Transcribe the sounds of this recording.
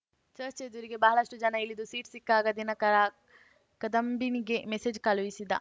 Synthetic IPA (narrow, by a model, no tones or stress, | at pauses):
t͡ʃɐɾt͡ʃeːd̪uɾiɡebɐɦɐlɐʂʈud͡ʒɐnɐilːid̪usiːʈsikːaːɡɐd̪inɐ | kɐd̪ɐmbiniɡemesed͡ʒkɐluʋisid̪ɐ̰